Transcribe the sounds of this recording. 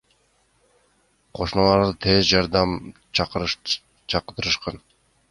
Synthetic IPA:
qʰoʃnɑlˠɑɾd̪ɯt̪ʰezd͡ʒɑɾd̪ɑm | q | t͡ʃʰɑqd̪ɯɾɯʃqɑn

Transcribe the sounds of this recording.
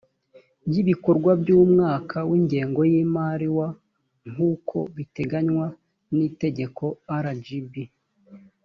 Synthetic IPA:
bjiβiko̞ɾɡwabɟuːmŋaːkʰawiːɲɟeːŋɡo̞jiːmaɾiwa | ŋ̥uːkʰo̞̰βite̞ɡaɲwa | nite̞ɟe̞kʰo̞aɾad͡ʒibi

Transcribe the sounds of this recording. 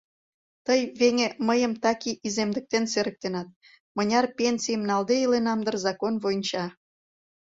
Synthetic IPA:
t̪əjβeŋeməjəmt̪ɑkiʔizemd̪ə̆k̚t̪enseɾə̆k̚t̪enɑt̪̚ | mə̆nʲɑrpʲensijəmnɑld̪eilenɑmd̪ə̆rzɑkonβojnʲt͡ɕɑ

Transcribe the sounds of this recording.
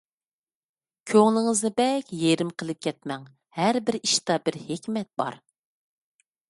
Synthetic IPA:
kʲʰøŋlˠɪŋɨznɨbɛkʲjeɾɪmqʰəlˠɨp̚kʲʰɛt̪mɛŋ | hæɾbɪɾiʃt̪ɑbɪɾhekʲmɛt̪̚b̥ɑ̰ɾ

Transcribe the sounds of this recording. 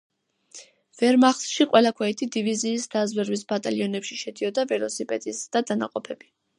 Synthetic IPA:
vɛɾmaχsʃiqʼwʔɛlˠakʰwɛɛt̪ʰid̪iviziːsd̪azwɛɾwisbat̪ʼaliɔnɛpʃiʃɛd̪iɔd̪avɛlɔsipʼɛd̪isd̪̥ad̪ana̰qʼɔpʰɛbi

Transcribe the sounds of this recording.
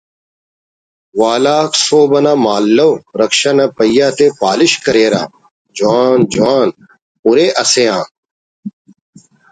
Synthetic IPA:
waːlaːksoːbɐnaːmaːlːoːɾəkʃanaːpəjaːt̪eːpaːlɪʃkəɾeːɾa̰ː | d͡ʒʊaːnd͡ʒʊaːn | ʊɾeːʔɐseːãː

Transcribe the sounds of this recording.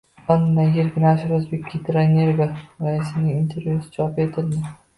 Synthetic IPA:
ɒnːajeɾɡʲɪnaʃɪɾʊzbekʲːit̪ʰɪɾaneɾɡaɾaɪs̬ɪnɪŋint̪ʰe̞ɾvʲjusɪ̥t͡ʃʰɒpe̞t̪ʰɪld̪ɪ

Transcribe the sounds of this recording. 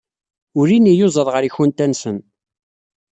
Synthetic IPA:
ʊɾinijozˤəðˤʁəɾiçʊnt̪ænsən

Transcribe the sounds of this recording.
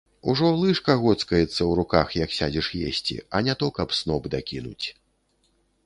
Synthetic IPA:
uʐɔlˠɨʂkɐɣɔt̪skɐjɛt̪sːɐwɾukaxjɐksʲad͡zʲiʂjesʲt͡sʲḭɐnʲat̪ɔkɐpsnɔbd̪akʲinṵt͡sʲ

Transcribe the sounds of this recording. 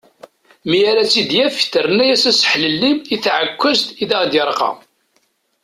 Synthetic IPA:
mijæɾæt͡sːid̪jæft̪ːəɾnæjæsæsə̥ħləlːimiθʕəkʷːəzt̪iðæʁd̪jəɾˤqɑ̰

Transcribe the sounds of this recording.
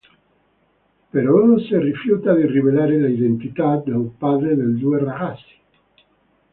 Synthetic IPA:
peɾɔnonserifjut̪ad̪iriβelaːɾelaiðent̪it̪ad̪epaðɾed̪eld̪ueraɣasi̥

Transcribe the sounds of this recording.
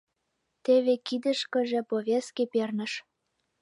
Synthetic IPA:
t̪eβekid̪ə̆ʃkə̆ʒĕpoβʲeskepernə̆ʃ

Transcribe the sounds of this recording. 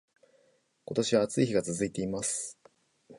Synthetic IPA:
ko̞t̪o̞ɕiβaːt͡sɨiçiɡat͡sɨzɨit̪e̞imasɨ̥

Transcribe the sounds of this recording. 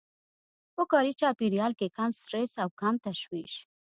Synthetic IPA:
pəkɑɾit͡ʃɑpiɾijɑlkekamsʈɾesawkamt̪aʃwiʃ

